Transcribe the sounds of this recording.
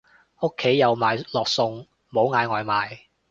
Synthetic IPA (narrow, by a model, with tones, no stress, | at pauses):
ʊ˥kʰːe˨˥jːɐ˨˧wmaː˨˧jlɔː˨k̚sʊ˧ŋ | mo˨˧wŋaː˨˧jŋɔː˨jmaː˨˧j